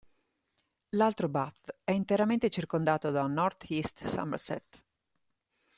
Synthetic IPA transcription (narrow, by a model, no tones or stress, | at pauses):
lalt̪ɾobat̪ɛint̪eɾament̪et͡ʃirkond̪aːt̪od̪anɔrt̪ist̪sa̰mḛɾsɛ̰t̪